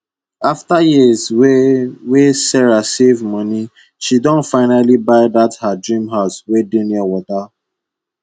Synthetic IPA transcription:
aftajizwewesɛɹasevmɔni | ʃidɔ̃nfaɪnalibaɪðathadɹĩmɦaʊswedĩnɔwɔta

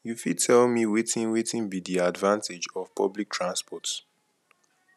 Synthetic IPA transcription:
jufid̚tʰɛlmiwetĩnwetĩnbidiadvãnted͡ʒɔv̥pʰɔ̰blik̚tʰɹãnspɔts

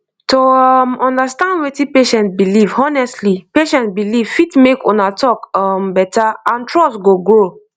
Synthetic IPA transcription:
tomɔ̃ndastãndwetipeʃɛ̃ntbilivɔnɛstlipeʃɛ̃ntbiliv̥fitmekɔ̰̃natʰɔkɔmbɛtaãntʰɹɔsɡoɡɹo

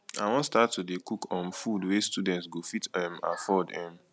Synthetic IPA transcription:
awɔ̃nstatːodekukɔ̃mfudwestudɛ̃ntsɡofitɛ̃ma̰fɔdɛ̃m

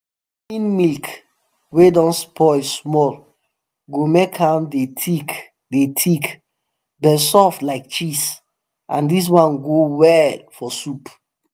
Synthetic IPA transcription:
fĩnmilk | wedɔ̃nspʰɔismɔl | ɡomekʰhãmdetʰik | detʰik | bɛsɔflaɪk̚t͡ʃis | ʔã̰ndis̬mãnɡowɛlfɔsup

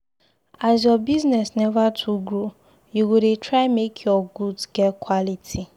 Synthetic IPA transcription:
az̬jɔbiznɛsnɛvatʰuɡɹu | juɡuɾetʰɹaɪmekʰjɔɡudɡɛtkʰwɔlitʰi

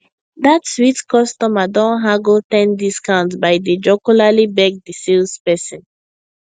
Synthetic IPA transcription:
ðatswitkɔstɔmadɔ̃nɦaɡoltɛ̃ndiskãʊ̃ntsbaɪdid͡ʒɔkulalibɛɡ̚disilspɛsɔ̃n

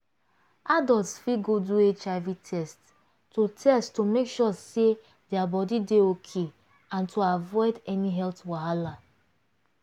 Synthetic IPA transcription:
adɔltsfiɡoduet͡ʃaɪvitʰɛst | totʰɛsttomekʃɔse | dɛabɔdideokʰe | ãntʰoavɔɪdɛniɦɛltwaɦala

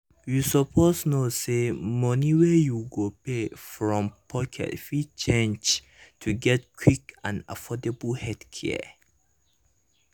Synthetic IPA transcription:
jusɔpʰosnosemɔniwɛjuɡopefɹɔ̃mpʰɔkʰɛ̰tfit͡ʃẽnd͡ʒ | tʰuɡɛt̚kʰwikã̰na̰fɔdeblhɛdkʰɛ̰

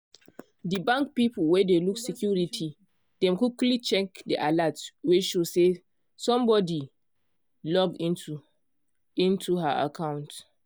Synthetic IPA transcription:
dibãŋk̚pipulwɛdeluksikjuɹitʰi | d̥ɛ̃mkuklit͡ʃɛkdiʔalatweʃose | sɔ̃mbɔdi | lɔvĩntu | ĩntʰuɦa̰ʔa̰kʰãw̃nt

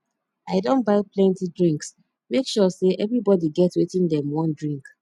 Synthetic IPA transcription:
aɪdõn̚baɪplɛ̃ntidɹĩŋks | mekʃɔseʔɛvɹibɔdiɡɛtwetĩŋdɛ̃mwɔ̃ndɹĩŋk

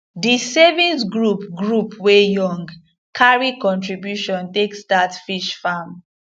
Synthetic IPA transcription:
disɛvĩnsɡɹupɡɹupwejɔ̃ŋɡ | kʰaɹikɔ̃ntɹibjuʃɔ̃ntekstatfiʃfam

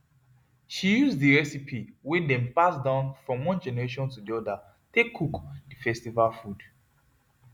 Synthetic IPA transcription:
ʃijuzdiɹɛsipʰiwedɛ̃mpasdãʊ̃nfɹɔ̃mwɔ̃nd͡ʒɛnɛɹeʃɔ̃ntudiɔda | tekʰːukdifɛstivalfud

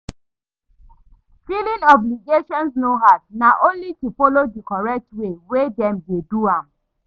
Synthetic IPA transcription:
filĩnɔbliɡeʃɔ̃ns̬noɦat̚naʔõnlitufolodikɔɹɛk̚twewedɛ̃mdeduãm

